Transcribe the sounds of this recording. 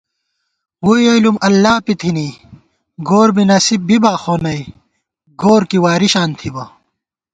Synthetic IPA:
wujelumɐlːaːpit̪ʰini | ɡoːɾbinɐsib̚bibaːxoːnɐj | ɡoːɾkiwaːɾiɕaːnt̪ʰibɐ

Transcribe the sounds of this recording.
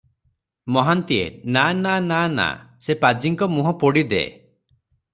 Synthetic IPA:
mɔɦant̪ienananana̰sepad͡ʒiŋkɔmuɦɔ̃poɽid̪ḛ

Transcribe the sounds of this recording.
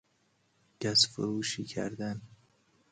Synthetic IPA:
ɟ̥æsfoɾuːʃiːcʰæ̰ɾd̪æn

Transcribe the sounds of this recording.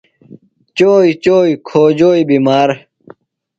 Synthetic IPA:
t͡ɕoːit͡ɕoːikʰoːd͡ʑoːibimaːɾ

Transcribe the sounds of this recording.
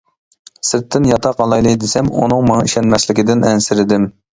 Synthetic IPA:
sɪɾt̪ʰːɪnjɑt̪ʰɑqɑlˠɑjlˠɨjd̪ɪsɛmṵnɨŋmɑŋɑiʃɛnmɛslɪkʲɪd̪ɪnɛnsɪɾɪd̪ɪm

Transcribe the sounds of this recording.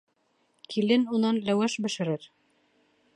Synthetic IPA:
kʰilɘnunɑnlæwæʃbɘ̆ʃɘ̆ɾɘɾ

